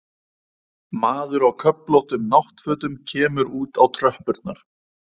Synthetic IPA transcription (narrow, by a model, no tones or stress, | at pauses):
maːðʏɾawkʰœploht̪ʏmnaht̪fœːt̪ʏmcʰɛːmʏɾuːt̪awt̪ʰɾœhpʏɾt̪naɾ̥